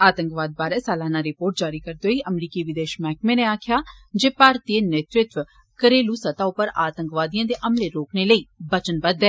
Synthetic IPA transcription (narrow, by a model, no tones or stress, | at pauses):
aːt̪əŋkʋaːd̪̚baːɾɛːsaːlaːnãːɾɪpoːɾʈ̚d͡ʒaːɾiːkəɾd̪oːiːʔəmɾiːkiːʋɪd̪eːʃmɛːkmẽːneːaːkʰɪjaːd͡ʒeːpaːɾt̪ieneːt̪ɾɪt̪ʋ | kəɾeːluːsət̪aːʊpːəɾaːt̪ə̃ŋkʋaːd̪ijãːd̪eːʔəmleːɾoːkneːləiːbət͡ʃənbəd̪ɛː